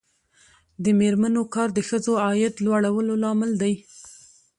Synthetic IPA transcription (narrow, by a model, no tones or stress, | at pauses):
d̪əmeɾmanokɑɾd̪əxəzoɑjɪd̪lwaɽawəlolɑmɪld̪aj